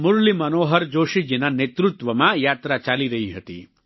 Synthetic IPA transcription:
muɾlimənoːɦəɾd͡ʒoːʃid͡ʒinanet̪ɾut̪ʋəmãjaːt̪ɾat͡ʃaːliɾəɦiɦət̪ḭ

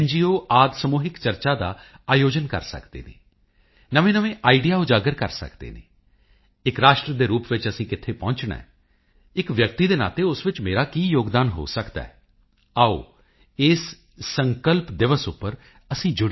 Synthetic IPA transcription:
ɛnd͡ʒiːoːʔaːd̪səmuːɦɪkt͡ʃəɾt͡ʃaːd̪a̰ːaːjoːd͡ʒənkə̰ɾsə̰kd̪ḛːnḛː | nəʋẽːnəʋẽːʔaːiɖijaːoːd͡ʒaːɡəɾkə̰ɾsə̰kd̪ḛːnḛː | ɪkɾaːʃʈɾəd̪eːɾuːpʋɪt͡ʃəsĩːkɪt̪ʰeːpɔ̃ːɲt͡ʃɳa̰ːɛ | ɪkʋjəkt̪iːd̪eːna̰ːt̪eːʊsʋɪt͡ʃmeːɾaːkiːjoːɡd̪aːnɦo̰ːsəkd̪a̰ːɛ | aːo̰ː | ɪsː | əŋkəlpd̪ɪʋəsʊpːəɾ | əsĩːd͡ʒʊɽ

